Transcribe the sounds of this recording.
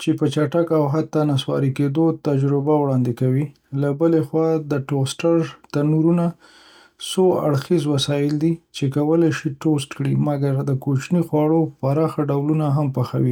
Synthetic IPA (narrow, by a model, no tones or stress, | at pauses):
t͡ʃepət͡ʃaʈakawɦat̪ːanaswɑ̰ɾiked̪ot̪ad͡ʒɾɪbawɽɑnd̪ɪkawi | labəlexwɑd̪əʈosʈaɾt̪anuɾuna | soa̰ɽxizwasɑjɪld̪it͡ʃekawəlajʃiʈost̪kɽimaɡaɾd̪əkot͡ʃnixwɑɽopaɾɑxaɖawlunaɦampaxa̰wi